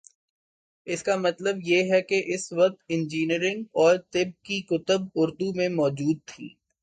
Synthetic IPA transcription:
ɪskamɐt̪ləbjeɦɛkeʔɪsʋɐq̚t̪ɪ̃nd͡ʒiːniɾɪ̃ŋɡɔːɾt̪ɪb̚kikʊt̪əbʊɾd̪umẽmɔːd͡ʒuːd̪̚t̪ʰḭː

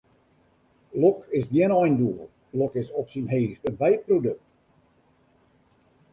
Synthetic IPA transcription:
lɔkɪzdjinɔjnduəl | lɔkɪsɔpsinɦeːstənʋɛjprodɵk̚t

